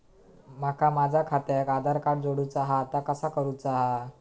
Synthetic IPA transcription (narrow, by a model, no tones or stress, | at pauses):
makʰamad͡zʱakʰat̪jakad̪ʱaɾkaɽd͡zoɽuːt͡saɦaːt̪akəsakəɾuːt͡saɦa